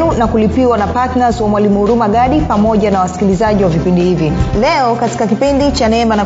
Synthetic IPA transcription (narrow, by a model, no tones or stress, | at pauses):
unakulipiwanapatnazwamwalimuuɾumaɠaɗipamɔʄanawasi̥kilizaʄiwavipindihivilɛɔkati̥kakipindit͡ʃanɛmbana